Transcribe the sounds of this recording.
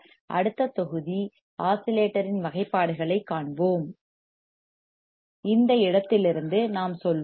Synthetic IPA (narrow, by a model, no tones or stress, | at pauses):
ʔɐ̰ɽɯt̪ːɐt̪ːɔɣɯði | aːsɪleːʈːɐɾɪnʋɐɣɐɪpːaːɽɯɣɐɭɐɪkːaːɳboːm | ɪnd̪ɐɪɽɐt̪ːɪlɪɾɯnd̪ɯnaːmsɔl